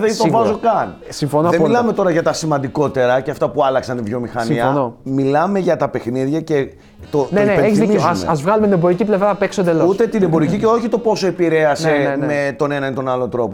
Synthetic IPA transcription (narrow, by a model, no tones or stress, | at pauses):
ðet̪ovɐzo̞kɐn | siɱfonoɐðemmilɐme̞t̪o̞ɾɐʝɐt̪ɐsimɐnd̪iko̞t̪e̞ɾɐceɐft̪ɐpuɐlɐksɐnt̪ivʝomixɐniɐnomilɐme̞ʝɐt̪ɐpe̞xniðʝɐce̞ | t̪oneneeeçzizsɐzvɣɐlumet̪inebo̞ɾiciplevɾɐɐpeksond̪elout̪e̞t̪inembo̞ɾiciceo̞çit̪o̞po̞soe̞piɾe̞ɐsemet̪o̞ne̞nɐnit̪o̞nɐlont̪ɾo̞po